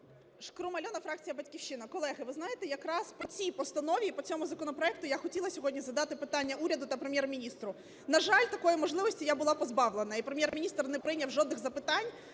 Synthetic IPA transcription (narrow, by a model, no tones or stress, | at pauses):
ʃkɾʊmɐlʲɔnɐfɾɑk̚t͡sʲijɐbɐtʲkʲiwʃɪnɐkɔlˠɛɦɪʋɪznɑjet̪ɛjɐkɾɑspɔt͡sʲijpɔst̪ɐnɔʋʲipɔt͡sʲɔmʊzɐkɔnɔpɾɔɛk̚t̪ʊjaxɔtʲilˠɐsʲɔɦɔdʲnʲizɐd̪ɑt̪ɪpɪt̪anʲːɐʔuɾʲɐd̪ʊt̪ɐpɾemʲjɛrmʲinʲist̪ɾʊ | nɐʒɑlʲt̪ɐkɔjimɔʒlˠɪʋɔsʲtʲijabʊlˠɑpɔzbɑwlˠenɐipɾemjɛrmʲinʲist̪rnɛpɾɪnʲɐwʒɔd̪nɪɣzɐpɪt̪ɑnʲ